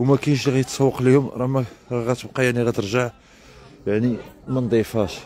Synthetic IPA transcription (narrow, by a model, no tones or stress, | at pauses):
wmækæjʃ̬liɣæjət̪sˤɑwːəqlihʊmɾˤɑmæɣæt̪əbqɑjaʕniɣæt̪əɾʒaʕ | jaʕnimænd̪ˤifhæʃ